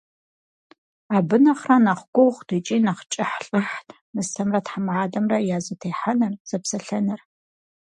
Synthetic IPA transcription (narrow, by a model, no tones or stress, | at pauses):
aːbɨnɐχranaχʷɡʷʊwχʷd̥ɨt͡ʃʼiːnaχt͡ʃʼɪħɬʼɨħtʰ | nɨsɐmrɐtħamʕaːdɐmrɐjaːzɨtʰeːħanɨrz̥ɐpsɐɬɐnɨr